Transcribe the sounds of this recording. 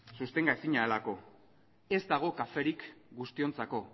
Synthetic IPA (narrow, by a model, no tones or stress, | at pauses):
sust̪e̞ŋɡaesiɲaelako̞ | e̞zd̪aɣ̞o̞kafe̞ɾikɡust̪io̞nt͡sako̞